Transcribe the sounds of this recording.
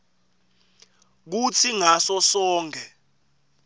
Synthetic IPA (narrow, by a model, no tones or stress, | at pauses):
k̬ut͡sʰiŋasɔsɔːŋʱɛ